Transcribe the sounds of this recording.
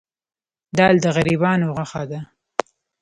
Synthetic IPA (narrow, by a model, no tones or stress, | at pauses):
d̪ɑld̪əɣaɾibɑnoɣaxad̪a